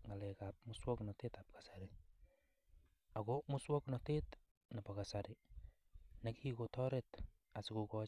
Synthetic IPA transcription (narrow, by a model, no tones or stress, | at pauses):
ŋalɛkap̚mʊswɔknɔtetap̚kḁsaɾɪ | akomʊswɔknɔtet | napakasaɾɪ | nakʰikotɔɾɛt | asɪkokɔ